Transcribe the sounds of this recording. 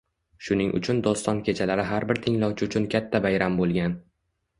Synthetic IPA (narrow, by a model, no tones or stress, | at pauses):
ʃʊnɪŋʔʊ̰t͡ʃʰʊnd̪ɒst̪ɒnkʲʰe̞t͡ʃʰalaɾɪɦaɾbɪɾt̪ʰɪŋlɒwt͡ʃʰɪʊt͡ʃʰʊnkʲʰat̪ʰːabajɾambolˠɡʲan